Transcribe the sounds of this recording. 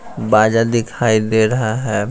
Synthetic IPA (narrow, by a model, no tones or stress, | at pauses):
baːd͡ʒad̪ɪkʰaːid̪eːɾɐɦaɦɛː